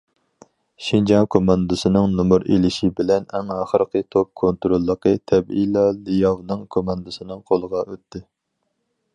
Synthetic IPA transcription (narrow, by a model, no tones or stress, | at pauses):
ʃind͡ʒɑŋkʰomɑnd̪ɨsɨnɨŋnumuɾḛlɪʃibɪlɛnɛŋɑːχəɾqʰət̪ʰop̚kʰont̪ɾolˠːəqʰət̪ʰɛbḭlɑlɨjɑvnɨŋkʰomɑnd̪ɨsɨnɨŋqʰolˠəʁɑøt̪ːɪ